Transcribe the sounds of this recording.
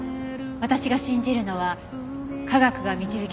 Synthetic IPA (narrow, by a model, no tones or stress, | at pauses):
βat̪aɕiɡaɕĩɲ̟d͡ʑiɾɯ̟no̞βa | kaɡakɯ̟ɡamʲit͡ɕibi̟kʲ